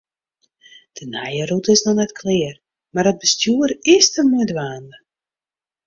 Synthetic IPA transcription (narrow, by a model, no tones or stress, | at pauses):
d̥ənɛjərutəɪsnɔnɛtkʰlɪər | marɦət̚bəstjuəɾɪstəmuədʋaːndə